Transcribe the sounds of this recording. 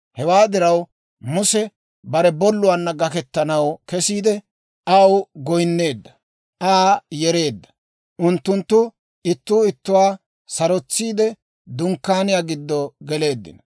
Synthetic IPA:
hɛwaːd̪ɪɾɐw | mʊsɛ | bɐɾɛbɔlːʊwaːnːɐɡɐkɛt̪ːɐnɐwkɛsiːd̪ɛ | ʔɐwɡɔjnːe̞ːd̪ːɐ̥ | ʔaːjɛɾe̞ːd̪ːɐ̥ | ʔʊnt̪ːʊnt̪ːʊ | ʔɪt̪ːuːɪt̪ːʊwaː | sɐɾɔt͡sːiːd̪ɛ | d̪ʊŋkːaːnɪjaːɡɪd̪ːɔɡɛle̞ːd̪ːɪ̰nɐ

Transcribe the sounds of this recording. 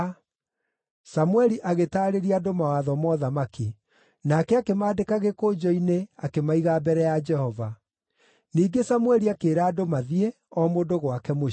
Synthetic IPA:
samwɛɾiʔaɣetaːɾeɾiadomawaðɔmɔðamaki | nakɛakemaːdekaɣekod͡ʒɔineakemaiɣabɛɾɛjad͡ʒɛhɔva | niːɡesamwɛɾiakeːɾaːdomaðie | ɔmodoɣwakɛmo

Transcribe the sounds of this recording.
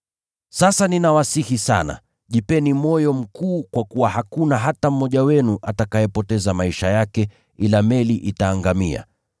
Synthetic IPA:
sasaninawasihisa̰na̰ | ʄipɛnimɔjɔm̩kuːkwakuwaɦakunaɦatam̩ːɔʄawɛnuʔatakajɛpɔtɛzamaiʃajakɛ | ilamɛliʔitaːŋɡamia̰

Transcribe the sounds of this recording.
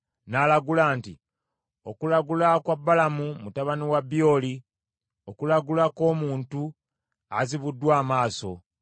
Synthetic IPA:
naːlaɡulaːnti | okulaɡulakwabːalamumutaβaniwabjo̞ːli | okulaɡulako̞ːmuːntu | aziβudːwaːmaːso̞

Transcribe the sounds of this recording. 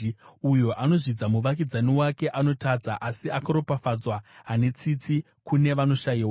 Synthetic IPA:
ujo̞ʔano̞ʐid͡zamuʋakid͡zaniwake̞ʔano̞tad͡zaʔasiakaɾo̞pafad͡zwaɦane̞t͡sit͡si | kune̞ʋano̞ʃajiwa

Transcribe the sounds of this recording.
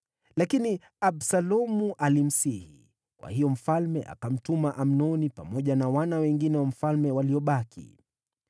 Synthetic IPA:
lakini | aɓsalɔmuʔalim̩sihḭ | kwa̰hijɔm̩falmɛʔa̰kam̩tumaʔam̩nɔnipamɔʄanawanawɛŋɡinɛwam̩falmɛwaliɔɓakʰḭ

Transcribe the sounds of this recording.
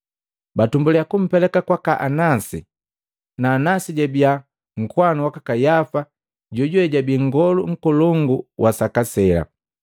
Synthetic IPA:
batumbulɛjakum̩pɛlɛkakwakaʔanasḭ | naːnasiɟɛbia | ŋ̩kwanuwakakajafa | ɟɔɟuɛɟabiŋɡɔluŋ̩kɔlɔŋɡuwʔasakasɛla̰

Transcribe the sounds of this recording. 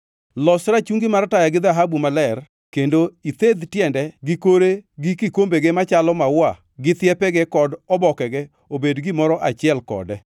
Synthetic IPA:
lɔsɾat͡ʃuŋɡɪmartajaɡɪd̪aɦabumalɛr | kendoit̪ed̪tjɛndɛɡɪkoɾeɡɪkɪkombeɡemat͡ʃalɔmawa | ɡɪt̪ɪjɛpɛɡɛkɔdɔbɔkɛɡɛ | obedɡɪmɔɾɔʔat͡ʃɪɛlkɔ̰dɛ

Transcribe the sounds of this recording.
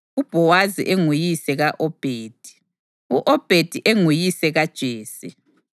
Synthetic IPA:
ub̥ʱɔwazḭʔeŋujisɛɣaʔɔb̥ʱeːd̥ʱi̥ | uʔɔb̥ʱed̥ʱiʔeŋujisɛɣad̥ʒ̥ʱeːsḭ

